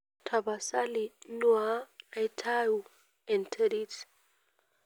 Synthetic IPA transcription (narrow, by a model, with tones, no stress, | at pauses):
tʰa˨ba˨sa˦li˨nwa˦a˨jtʰa˦ju˨ | ɛ˨ntʰe˦ɾi˦t